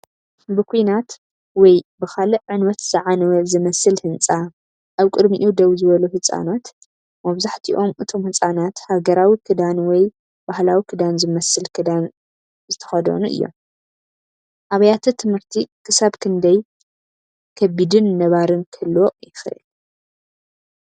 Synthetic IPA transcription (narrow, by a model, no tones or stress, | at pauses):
bɨkʰujnat̪ | wɔjbɨxalɨʕɨnwɐt̪zɨʕanɐwɐzɨmɐsɨlhɨnt͡sʼa | ʔaβkʼɨd̪miʔud̪ɐwzɨβɐluhɨsʼa̰nat̪ | mɐβzaħt̪ʰiʔo̞mʔɨt̪ʰo̞mhɨt͡sʼanat̪haɡɐɾawikʰɨd̪anwɔj | b̥ahlawikʰɨd̪anzɨmɐsɨlkʰɨd̪an | zɨt̪ʰɐ̥xɐd̪ɐ̰nuʔɨ̰jːo̰m | ʔaβɐjat̪ʰɐt̪ʰɨmhɨɾt̪ʰikʰɨsaβkʰɨnd̪ɐj | kʰɐbid̪ɨnːɐβaɾɨnkʰɐlːojɪxʔɨ̰l